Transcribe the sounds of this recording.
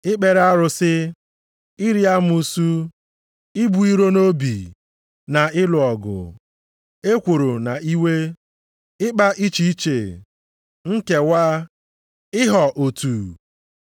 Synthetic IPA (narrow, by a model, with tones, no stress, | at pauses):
ɪ˦k͡pe˨ɾa˦ɾʊ˨sɪ˦ | ɪ˦ɾi˦a˦m˦u˦su˦ | ɪ˦bu˨i˦ɾo˦no˦bi˨ | na˨ɪ˦lʊ˨ɔ˨ɡʊ̰˨ | e˦kʷo˨ɾo˨na˨i˦we˦ | ɪ˦k͡pa˦ʔi˦t͡ʃi˨i˦t͡ʃe˨ | ŋ̩˦ke˨wa˦ | ɪ˦ɦɔ˨ʔo˨tu˨